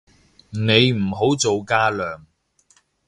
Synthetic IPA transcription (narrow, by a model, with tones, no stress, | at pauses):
ne˨˧jm̩˨˩ɦo˨˥wt͡so˨wkaː˥lœː˨˩ŋ